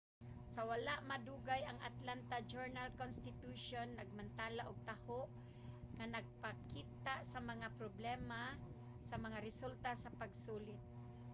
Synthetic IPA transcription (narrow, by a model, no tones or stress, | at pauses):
sɐwalaʔmad̪uːɡajaŋa̰t̪lant̪ad͡ʒɛɹnalkonst̪ɪt̪uʃonːɐɡ̚mant̪aːlaʔoɡ̚t̪ahoʔ | ŋanɐɡ̚pakiːt̪aʔsamɐŋapɾoblɛma | sɐmɐŋaɾɪsult̪asɐpaɡsuːlɪt̪̚